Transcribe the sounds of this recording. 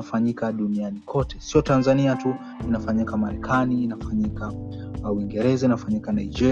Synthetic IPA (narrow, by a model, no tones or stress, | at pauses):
afaɲikaɗunianikʰɔtɛsiɔtanzaniatu | inafaɲikamaɾɛkʰaniːnafaɲika | wiŋɡɛɾɛzainafaɲikanaid͡ʒɛ